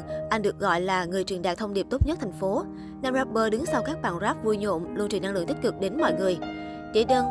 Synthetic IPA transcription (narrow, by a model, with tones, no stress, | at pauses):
ʔa˧jŋ̟ɗɨ˨˩ək̚ɣɔ̰˧˨jlaː˨˩ŋɨ˨˩əjt͡ɕwi˨˩nɗa̰ː˧˨t̪ʰə˧ŋ͡mɗi˨˩əp̚t̪o˦˥t̚ɲə˦˥t̚t̪ʰa˨˩ŋ̟fo˨˦ | na˧mzaː˦˥p̚ɓəː˧ɗɨ˨˦ŋsa˧wkaː˦˥k̚ɓa̰ː˧˨nzaː˦˥p̚vu˧jɲo̰˧˨mlu˧nt͡ɕi˨˩nːa˧ŋɨ̰˧˨əŋt̪i˦˥k̚kɨ˨˩k̚ɗe˨˦nmɔ̰˧˨jŋɨ˨˩əj | t͡ɕḭ˧˩ɗəː˧n